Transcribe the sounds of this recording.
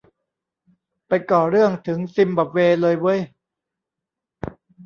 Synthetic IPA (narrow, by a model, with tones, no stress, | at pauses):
pa˧jkɔː˨˩ɾɯ˥˩əŋt̪ʰɯ˩˦ŋsi˧mbɔː˨˩p̚weː˧lɤː˧jwɤː˦˥j